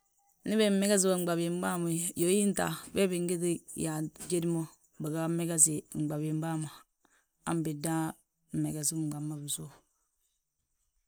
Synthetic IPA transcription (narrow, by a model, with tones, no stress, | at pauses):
ni˦be˨m̩˦me˦ɡa˦s̬i˦wo˨ŋ͡m̩˨ɡ͡ba˨bi˨m˦ba˦mo˨jo˨˦ji˦n˦ta̰˨be˦bi˨ŋɡi˦ti˦ja˨d͡ʒe˦di˦mo˦ | ba˨ɡa˦me˦ɡa˦si˨ŋ͡m̩˨ɡ͡ba˨bi˨m˦ba˦ma˨ | a˦m˦bi˨da˦ | m̩˨me˨ɡa˨si˦ŋ͡mɡ͡ba˨mːa˦bi˨so˦˨